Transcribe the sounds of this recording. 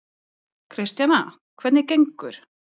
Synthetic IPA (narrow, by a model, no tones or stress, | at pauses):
kʰɾɪst̪jana | kʰvɛt̪nɪcejŋkʏɾ̥